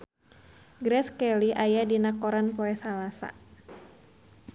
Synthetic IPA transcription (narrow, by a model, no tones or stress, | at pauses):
ɡɾɛskɛliʔajadinakoɾanpɔɛsalasa̰